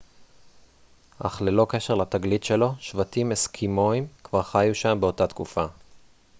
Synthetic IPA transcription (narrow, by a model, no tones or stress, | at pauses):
ʔa̰χlelo̞ke̞ʃe̞ʁlat̪aɡlit̪ʃe̞lo̞ʃvat̪imeskʰimoimkvaʁχajuʃambe̞o̞tat̪kufa